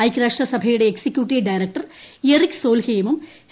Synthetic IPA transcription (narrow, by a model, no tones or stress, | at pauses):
ɐjkɾaːʂʈɐsɐbʱɐjuɽe̞ːksikʲːjuːʈːiɖɐjɾɐk̚ʈɐrerikso̞ːlhejɐmum